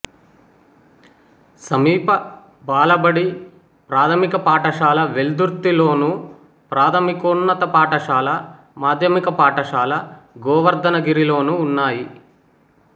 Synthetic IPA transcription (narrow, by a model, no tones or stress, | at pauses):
sɐmiːpɐ | baːlɐbɐɽi | pɾaːt̪ʰɐmikɐpaːʈɐʂaːlɐʋeld̪uɾt̪ːilo̞ːnu | pɾaːt̪ʰɐmikonːɐt̪ɐpaːʈɐʂaːlɐ | maːd̪ʱjɐmikɐpaːʈɐʂaːlɐɡɔːʋɐɾd̪ɐnɐɡiɾilo̞ːnuːnːaːji